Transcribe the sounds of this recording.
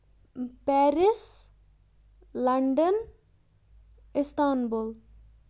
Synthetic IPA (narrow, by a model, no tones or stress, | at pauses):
pɛɾis | lɐɳɖən | ist̪aːnbol